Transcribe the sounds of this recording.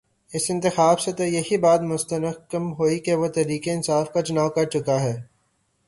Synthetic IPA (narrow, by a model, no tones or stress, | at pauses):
ɪsɪ̃nt̪ɪxaːbset̪ojɐɦibaːt̪mʊst̪ənəkəmɦoːikeʋot̪ɛɾiːkeɪnsaːfkat͡ʃɐnaːʋkɐɾt͡ʃʊkaɦɛː